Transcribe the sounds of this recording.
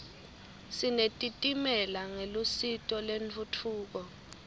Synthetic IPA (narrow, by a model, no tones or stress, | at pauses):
sinetʼitʼimɛlaŋelusitʼɔleɱt͡fʰutʰuːk̬ɔ